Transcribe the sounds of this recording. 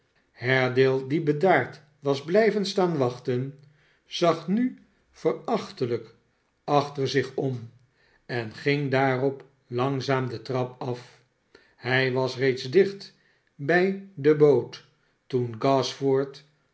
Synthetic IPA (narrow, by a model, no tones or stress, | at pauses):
hɛɹdɪlˠdibədaːɹt | ʋɑzblɛjvənstaːnʋɑχtən | z̥ɑχny | fərɑχtələk | ɑχtəɹzɪχɔm | ɛnχɪŋdaːrɔp | lɑŋzaːmdətrɑpɑf | hɛjʋɑsrejtzdɪχt | bɛjdəbowtː | unɡɑsfɔɹt